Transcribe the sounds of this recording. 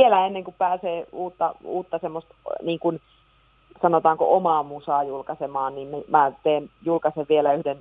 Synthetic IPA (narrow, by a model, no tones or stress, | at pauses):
ielæenːeŋkuppæːseːuːt̪ːɑuːt̪ːɑsemːost̪niːŋkun | sɑnot̪ɑːŋko̰ʔomɑmusɑːjulkɑsemɑːnnimmemæt̪eːnjulkɑseʋʋielæyhden